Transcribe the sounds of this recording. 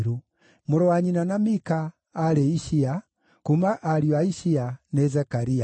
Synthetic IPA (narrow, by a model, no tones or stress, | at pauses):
ɾu | muɾɔwaɲinanamikaː | ɾɛiʃia | kumaʔaɾiwaiʃianɛzɛkaɾia